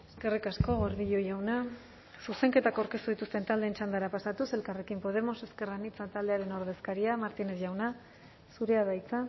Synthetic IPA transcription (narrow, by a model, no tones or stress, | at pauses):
e̞ske̞rikasko̞ɣo̞ɾðiʎo̞jawna | suse̞ŋke̞t̪akawɾke̞st̪uðit̪ust̪e̞nt̪ald̪eːnt͡ʃand̪aɾapasat̪use̞lkare̞kimpo̞ð̞e̞mo̞se̞ske̞ranit͡sat̪ald̪e̞aɾe̞no̞ɾð̞e̞skaɾiamaɾt̪ine̞sʝawna | suɾe̞aðajt͡sa